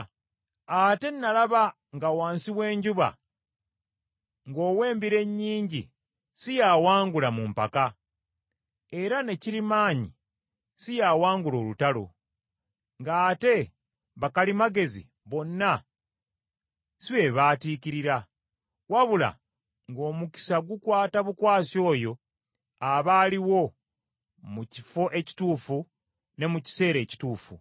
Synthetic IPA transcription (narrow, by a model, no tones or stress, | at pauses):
ate̞nːalaβa | ŋɡawaːnsiwe̞ːɲɟuβa̰ | ŋɡo̞ːwe̞ːmbiɾe̞ɲːiːɲɟḭ | sijaːwaːŋɡulamumpaka | e̞ɾane̞ciɾimaːɲḭ | sijaːwaːŋɡulo̞ːlutalo̞̰ | ŋɡaːte̞ | βakalimaɡe̞zḭ | βo̞nːa | siβe̞ːβaːtiːciɾiɾa | waβula̰ | ŋɡo̞ːmuki̥saɡukwaːtaβukwaːsjo̞ːjo̞ | aβaːliwo̞ | mucifo̞ʔe̞ci̥tuːfu | ne̞muci̥se̞ːɾe̞ːci̥tuːfṵ